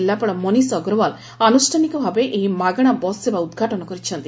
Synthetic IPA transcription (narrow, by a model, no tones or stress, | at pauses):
lːapɔɽɔmɔnisɔɡɾɔʋal | anusʈʰanikɔbʱabeʔeɦimaɡɽ̃abɔsːebaud̪ɡʱaʈɔnɔkɔɾit͡ʃʰɔnt̪i